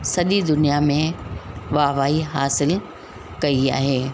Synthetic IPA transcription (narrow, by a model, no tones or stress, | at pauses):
sɐɗid̪ʊnijamẽʋaːʋaːiɦaːsɪl | kɐia̰ːɦeː